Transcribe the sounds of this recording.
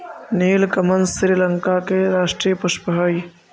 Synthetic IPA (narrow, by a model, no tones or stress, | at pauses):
niːlkɐmənsɾiːləŋkakeɾaːʂʈɾijəpusʃpəɦəj